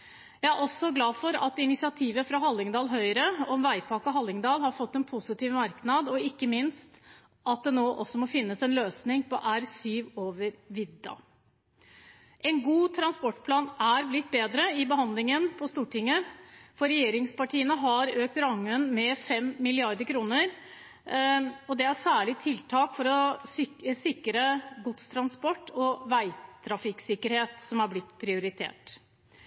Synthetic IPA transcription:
jæɪæɾʔɔsːɔɡlɑːdfɔɾɑ̰t̪ɪnɪsɪɑt̪ʰiːʋəfɾɑɦɑlːɪŋd̪ɑːlɦœʏɾəɔmʋæɪpʰɑːkəɦɑlːɪŋd̪ɑːlhɑɾfɔt̪ːɛnpʰʊsɪt̪iːʋmɑɾknɑd̪ɔɪkːəmɪnst̪ | ʔɑt̪̚d̪ɛnoːʔɔsːɔmɔfɪnːəsɛnløːsnɪŋpɔʔæɾsyːʋoːʋəɾʋɪd̪ːɑ̰ | ʔɛnɡuːt̪ʰɾɑnspɔʈːpʰlɑːnæɾblɪt̪̚ːbeːd̪ɾəɪbəɦɑnd̪lɪŋənpʰɔst̪uːʈɪŋːəfɔɾɛjeːɾɪŋspɑʈʰiːənəɦɑɾøːk̚t̪ɾɑŋːənmɛfɛmːɪlɪɑɾd̪əɾkʰɾuːnəɾ | ɔd̪ɛæsæːɭɪt̪ʰɪlt̪ʰɑːkfɔɾɔsʏəsɪkːɾəɡʊt̪st̪ʰɾɑnspɔʈːɔʋæɪt̪ʰɾɑfɪksɪkːəɾheːt̪sɔmæɾblɪt̪ːpʰɾɪʊɾɪt̪ʰḛːʈ

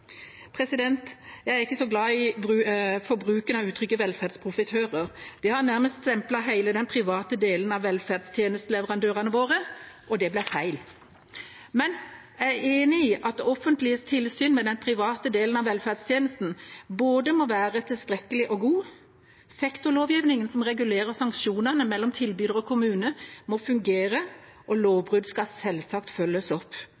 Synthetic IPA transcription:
pʰɾɛsɪd̪ɛnt̪jæɪæɾɪkːəsɔɡlɑːɪbʉfɔbɾʉːkənɑʉːt̪ʰɾʏkːəʋɛlfæʁd̪spʰɾʊfɪt̪ʰøːɾəʁd̪̥ɛhɑɾnæɾməst̪sɛmplɑɦæɪləd̪ɛnpʰɾɪʋɑːt̪əd̪eːlən̩ɑʋːɛlfæʁd̪st̪ʰjeːnəst̪əlɛʋəɾɑnd̪øːʁɑnəʋoːʁəʔɔd̪ɛblæfæɪl | mɛnjæɪæeːnɪiʔɑt̪ɔfənt̪lɪəst̪ʰɪlsyːnmɛd̪ɛnpʰɾɪʋɑːt̪əd̪eːlən̩ɑʋɛlfæːd̪st̪ʰjeːnəst̪n̩boːd̪əmɔʋæːʁət̪ʰɪlst̪ɾɛkːəlɪʔɔɡuː | sɛkt̪ɔloːʋjiːʋnɪŋənsɔmʁɛɡʉleːʁəsɑŋkʃuːnənəmɛlːɔmt̪ʰɪlbyːd̪əʁɔkʰʊmʉːnəmɔfʉŋɡeːɾəʔɔloːʋbʁʉd̪skɑsɛlsɑkt̪fœlːəsɔpː

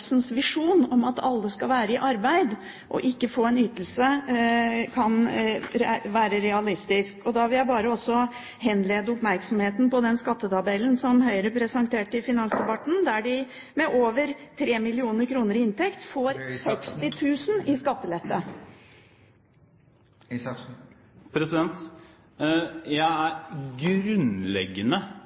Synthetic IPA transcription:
snsʋɪʂuːnɔmɑt̪ʰɑ̰lːəskɑʋæːɾəɪʔɑɾbæɪd̪ | ʔɔ̰ʔɪkːəfoːɛnyːt̪əl̩sə | kʰɑnɾʋæːɾəɾɛɑlɪst̪ɪskɔd̪ɑʋɪljæɪbɑːɾəɔsːɔ | ɦɛnleːd̪əʊpmæɾksɔmheːt̪n̩pɔd̪ɛnskɑt̪ːət̪ɑbɛlːənsɔmɦœʏɾəpʰɾɛsɑŋt̪ʰeːʈɪfɪnɑŋsd̪ɛbɑt̪əɳ̩d̪æɖɪ | mɛʔoːʋəɾt̪ʰɾeːmɪlɪuːnəɾkʰɾuːnəɾɪɪnt̪ʰɛkt̪foːɾsɛkst̪ɪt̪ʰʉːsnɪskɑt̪ːəlɛt̪ʰːə | pʰɾɛsɪd̪ɛnt̪ | jæɪæɾɡɾʉnlɛ̰ɡːənə

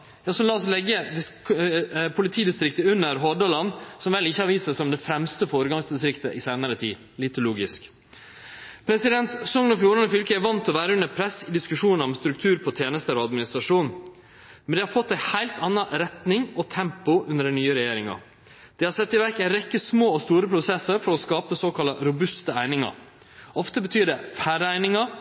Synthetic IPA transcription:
jɑːsɔmlɑːɔslɛɡːəd̪ɪ | pʰʊlɪt̪ʰiːd̪ɪst̪ɾɪkt̪əʉnːəɾɦɔɖɑlɑnsɔmʋɛlːɪçːəɑɾʋiːsəsæɪɔmd̪ɛfɾɛmst̪əfoːɾəɡɑŋsd̪ɪst̪ɾɪkt̪əʔɪseːnəɾət̪ʰḭː | lɪt̪ʊluːɡɪsk | pʰɾɛsɪd̪ɛnt̪sɔŋnɔfjuːɾɑnəfʏlkəæɾʋɑnt̪ʰɔʋæːɾəʉnːəpʰɾɛsɪd̪ɪskʉʂuːnɑɾɔmst̪ɾʉk̚t̪ʰʉːɾpʰɔt̪ʰjeːnəst̪əɾoɑd̪mɪnɪst̪ɾɑʂuːn | mɛnd̪ɛhɑɾfɔt̪ːæɪhæɪlt̪ɑnːɑʔɾɛt̪nɪŋɔt̪ʰɛmpʊʉnəɖɛnyːəɾɛjeːɾɪŋɑ̰ | d̪̥ɛhɑɾsɛt̪ːɪʋæɾkæɪɾɛkːəsmoːɔst̪uːɾəpʰɾʊsɛsəɾfɔɾɔskɑːpəsoːkʰɑlɑɾʊbʉst̪əæɪnɪŋɑ̰ɾ | ɔft̪əbət̪ʰyːɖɛfæːɾəæɪnɪŋɑ

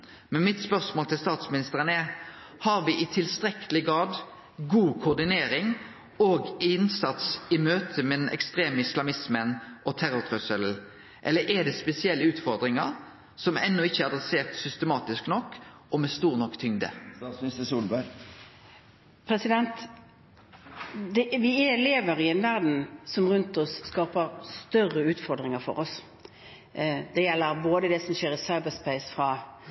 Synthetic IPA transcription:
mɛnmɪt̪spœʁsmoːlt̪ʰɪlst̪ɑːt̪smɪnɪst̪əʁənɛ | hɑʁʋɪʔɪt̪ʰɪlst̪ʁɛkʰəlɪɡʁɑːd̪ | ɡuːkʰʊʊʁd̪ɪneːɾɪŋ | oːɡɪɪnsɑt̪sɪmøːt̪ʰəmɛn̩ʔɛ̰kst̪ʁeːməɪslɑmɪsmənʔɔt̪ʰæɾʊʁt̪ʰʁʉsəl̩ | ʔɛlːəɾʔɛd̪ɛːspɛsɪɛlːəʉːt̪fɔʁd̪ʁɪŋɑʁ | sɔmɛ̰nːʊɪçːəæʁɑd̪ʁɛseːʁt̪sʏst̪əmɑːt̪ɪsknɔkː | ɔmɛst̪uːʁnɔkːt̪ʰʏŋd̪ə̰smnɪst̪əsuːlbɑ | pʰɾɛsɪd̪ɛnt̪ | d̪ɛʋɪɛɛleːʋəɾɪɛnʋæʁd̪n̩sɔmʁʉnt̪ɔsːkɑːpəɾst̪œrəʉːt̪fɔʁɾd̪ʁɪŋəʁfɔ̰ɾɔs | d̪ɛjɛlːəɾboːd̪əd̪ɛsɔmʃeːɾɪsɑɪbəspæɪsfʁɑ

